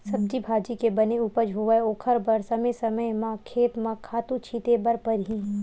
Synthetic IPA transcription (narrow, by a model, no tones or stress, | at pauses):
sɐb̚d͡ʒibʱaːd͡ʒikebɐneupəd͡ʒɦoːʋəoːkʰəɾbɐɾsɐmesɐməjmãkʰeːt̪mãkʰaːt̪ũt͡ʃʰiːt̪ebɐɾpɐɾɦĩː